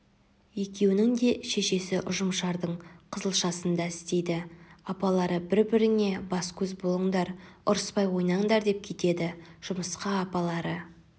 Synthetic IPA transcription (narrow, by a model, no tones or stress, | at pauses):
je̞kʲe̞wɪnɪŋd̪e̞ʃe̞ʃe̞sɪʔʊʒəmʃɑɾd̪əɴqʰəzəlˠʃɑsənd̪ɑɪst̪e̞jd̪ɪɑpɑlˠɑɾəbɪɾbɪɾɪne̞bɑskʲʰɵzbo̞lˠəɴd̪ɑɾʊɾəspɑjwo̞jnɑɴd̪ɑɾd̪e̞p̚kʲʰe̞t̪e̞d̪ɪʒ̥ʊməsqɑːpɑlˠɑɾə